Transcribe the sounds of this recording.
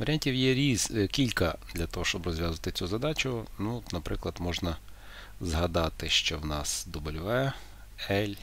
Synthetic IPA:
ʋɐɾʲanʲtʲiwjɛɾʲizkʲilʲkɐd̪lʲɐt̪ɔɦɔʃt͡ʃɔbrɔzʲʋʲjazʋɐt̪ɪt͡sʲuzɐd̪ɑt͡ʃʊnuɔt̪nɐpɾɪklˠɐd̪mɔʒnɐ | zɦɐd̪ɑt̪ɪʃt͡ʃɔwnɑsd̪ɔbɔlʲʋɛ | ɛlʲ

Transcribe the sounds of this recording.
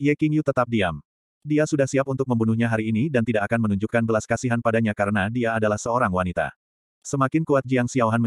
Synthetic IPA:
jɛkiŋjut̪ət̪ap̚dia̰m | diasudahsiap̚unt̪ʊk̚məmbunuhɲaɦaɾiːnidant̪idaʔakanmənuɲd͡ʒukanbəlaskasiɦanpadaɲakaɾənadiaːdalahsəoɾaŋwanit̪a̰ | səmakɪnkuat̪̚d͡ʒiaŋsiawɦanmə

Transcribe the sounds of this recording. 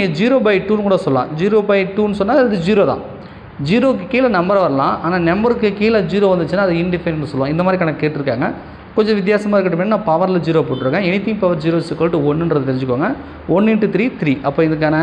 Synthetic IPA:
ŋɡɐd͡ʒiːɾoːbɐɪʈuːnɯkuːɽɐsɔlːã̰ːd͡ʒiːɾoːbɐɪʈuːnɯsɔnːaːɐɐðɯd͡ʒiːɾoːt̪ã̰ː | d͡ʒiːɾoːkːɯkiːlɐnɐmbɐɾɐʋɐɾɐlã̰ːaːnaːnɛmbɐɾɯkːɯkiːlɐd͡ʒiːɾoːʋɐnd̪ɯt͡ʃːɯnːaːɐðɯɪɳɖɪfɐɪnnːɯsɔlːʋõɪnd̪maːd̪ɾikɐnɐkːɯkeːʈːɪɾɯkːaːŋɡɐ | kɔɲd͡ʒɔ̃ʋɪt̪̬jaːsɐmaːɪɾkːɐʈːɯmeːnːnːãːpɐʋɐɾlɐd͡ʒiːɾoːp̬oːʈːɾɯːŋɡɐ̃ɛnɪt̪ːɪŋpɐʋɐɾd͡ʒiːɾoːsɯkːɐːʈːɯɔnːɯndɾɐðɯt̪ɛɾɪ̃ɲd͡ʒɯkːʋaːŋɡɐ | ɔnːɪʈːɯt̪ɾiːt̪ɪɾiːʔɐpːoːɪðɯk̬ːaːnɐ

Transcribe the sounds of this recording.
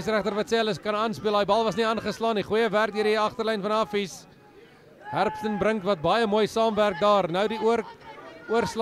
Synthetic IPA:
sræχtərvɐtsiələskɐnɑːnspiəlˠɦɑjbɐlˠvɐs̬niɑnχəslɑːniχujəværk̚diəɾdiɐχtərlɛjnfɐnɐfis | ɦærpstənbɾəŋtvɐt̚bɐjəmuəjsɑːmværk̚dɑːrnəwdiruərs

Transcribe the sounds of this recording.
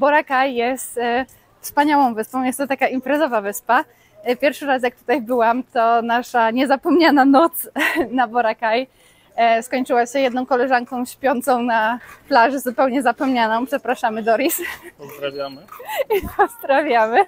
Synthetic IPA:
bɔɾakajːɛst̪ | fspaɲawɔ̃w̃vɘspɔ̃w̃jɛst̪ːɔt̪akaʔimpɾɛzɔvavɘspa | pʲjɛɾfʂɘɾas̬jak̚t̪u̥t̪ajbɘwamt̪ɔnaʂaɲɛzapɔmɲananɔt̪snabɔɾakaj | skɔɲt͡ʂɘwaɕɛjɛd̪nɔ̃w̃kɔlɛʐaŋkɔ̃w̃ɕpʲjɔnt̪sɔ̃w̃naflaʐɛzupɛwɲɛzapɔmɲanɔ̃w̃pʂɛpɾaʂamɘd̪ɔɾʲisɔzd̪ɾavʲjamipʰɔzd̪ɾavʲjamɘ

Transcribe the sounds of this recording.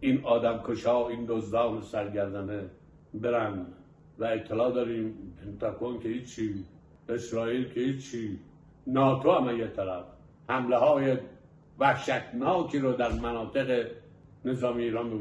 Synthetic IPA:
inɒːd̪æmkʰoʃɒːind̪ozd̪ɒːnesæɾɡæɾd̪æne | beɾænd̪ | væet̪ʰːelɒːd̪ɒːɾiːmpʰent̪ʰɑɡonkʲʰehiːt͡ʃʰːiː | esɾɒːiːlkʰehiːt͡ʃʰːi | nɒːt̪ʰoæmæjet̪ʰːælæf | hæmleɦɒːje | væhʃæt̪ʰnɒːkʰiːɾod̪æɾmænɒːt̪ʰeɣe | nezɒːmijeiːɾɒːnbeɡ

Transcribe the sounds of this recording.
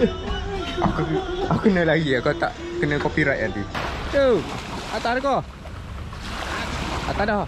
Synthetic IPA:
akuaukənə̃laɡiakat̪a̰ʔ | kənə̃kopiɾat̪a̰nt̪ist̪u | at̪aɾkɔ | a̰t̪adɔ

